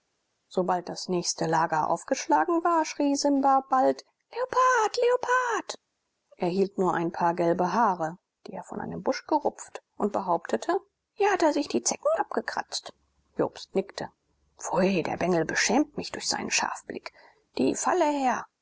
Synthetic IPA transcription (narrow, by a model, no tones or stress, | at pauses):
z̥obalt̚d̥asnɛːçstəlaːɡɐʔa̰ʊfɡ̥əʃlaːɡŋ̩vaːɐʃʁ̥iːzɪnbaːb̥alt | leopʰaːtleopʰaːt | ʔeːɐhiːltnuːɐʔaɪnpʰaːɐɡɛlbəɦaːʁə | d̥iːeːɐfɔnʔa̰ɪnəmbʊʃɡ̥əʁʊp͡ftʔʊnt̚b̥əɦaʊptʰətʰə | hiːɐhateːɐzɪçd̥iːt͡sɛkŋ̩ʔap̚ɡ̥əkʁ̥a̰t͡st | jo̰ːpstnɪktʰə | v̥ɔʏdḛːɐbɛŋl̩bəʃɛːmt̚mɪçd̥ʊɐçz̥a̰ɪnənʃa̰ɐfb̥lɪ̰k | d̥ḭːfa̰ləhɛːɐ